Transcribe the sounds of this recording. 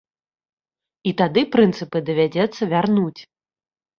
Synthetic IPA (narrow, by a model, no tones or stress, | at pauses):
it̪ad̪ɨpɾɨnt̪sɨpɨd̪ɐvʲad͡zʲɛt̪sːɐvʲarnut͡sʲ